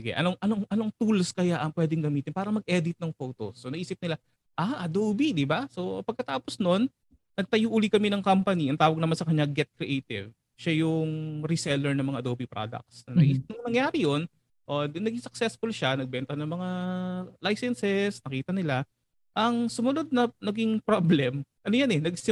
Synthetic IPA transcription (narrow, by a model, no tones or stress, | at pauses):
ɪɡɛ̰ʔɐ̰noŋʔɐnoŋʔɐnoŋt̪ulskɐjaʔɐŋpwɛːd̪ɪŋɡɐmiːt̪ɪnpaːɾɐmɐɡ̚ʔɛd̪ɪt̪̚nɐŋfoːt̪osːonɐɡʔiːsɪp̚nɪla | ʔaʔɐd̪obid̪ɪbaso̞pɐɡ̚kɐt̪aːposno̞nː | ɐɡ̚t̪ɐjuʔʊlikɐmɛnɐŋkampɐniʔɐnt̪aːwɐɡ̚nɐmansɐkɐɲːaɡɛt̪̚kɾɪʔejt̪ɪ̰v | ʃajʊŋɾɪsɛlɛɹnɐmɐŋa̰ʔd̪oːbipɾo̰d̪ɐ̰k̚t̪sɐnɐiːsɪp̚nɐŋnɐŋjaːɾɪjon | ʔonɐɡiŋsɐk̚sɛsfʊlʃanɐɡ̚bɛnt̪ɐnɐŋmɐŋalajsɛnsɛsnɐkiːt̪ɐnɪla | ʔɐŋsʊmʊno̞d̪̚nɐnɐɡiŋpɾoblɛmʔɐnojɐnɛnɐɡsɪ